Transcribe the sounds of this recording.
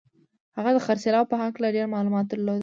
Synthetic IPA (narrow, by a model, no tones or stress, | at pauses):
haɣad̪əxaɾsalɑwpəɦaklaɖeɾmɑlumɑt̪̚d̪əɾlod̪ə